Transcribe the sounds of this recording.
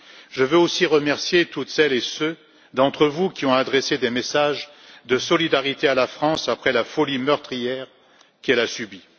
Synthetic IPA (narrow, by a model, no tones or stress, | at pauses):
ʒəvøosiʁəmɛʁsjet̪ut̪sɛlesø | d̪ɑ̃t̪χəvukʲiɔ̃ad̪ʁesed̪emesaʒ | d̪əsɔlid̪aʁit̪ealafχɑ̃sapχɛlafɔlimœʁt̪χijɛʁ | kɛlasybi